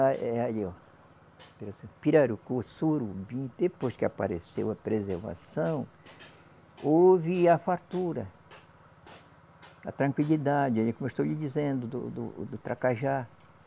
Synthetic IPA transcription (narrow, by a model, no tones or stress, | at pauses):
aɛaʎiɔ | piɾasepiɾaɾukosuɾubĩd̪epojskɪa̰pa̰ɾesḛwɐpɾezeɾva̰sɐ̃w̃ | ovɪafaɾt̪uɾɐ | ɐt̪ɾɐ̃kwilid̪ad͡ʒɪaikomewʃst̪owʎɪd͡ʒizẽnd̪ʊd̪ʊ̰d̪ʊ̰d̪ʊt̪ɾakaʒa